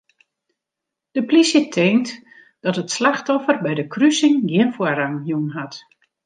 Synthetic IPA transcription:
d̥əplisjətʰeːnt | d̥ɔtətslaxtɔfərbɛjdəkrysɪŋɡiənfwuəraŋɦjunɦat

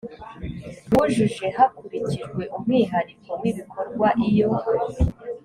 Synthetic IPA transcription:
wuʒuʒe̞hakuɾiciʒɡwe̞ʔumŋiːɦaɾikʰomŋiβikʰo̞ɾɡwaʔijo̞

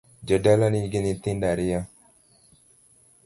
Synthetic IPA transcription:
d͡ʒədalaniɡenit̪ĩndaɾija

